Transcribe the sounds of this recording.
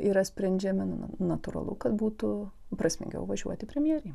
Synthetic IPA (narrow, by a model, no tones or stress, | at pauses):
iɾɐsʲpʲɾʲɛnʲd͡ʒʲɛmʲɪn̰nɐt̪ʊɾɐ̰lˠʊ̰kɐt̪buːt̪ʊpɾɐsʲmʲɪ̰ŋʲɡʲɛ̰ʊʋɐʒʲṵɔt̪ʲɪpʲɾʲɛmʲjɛɾʲɛɪ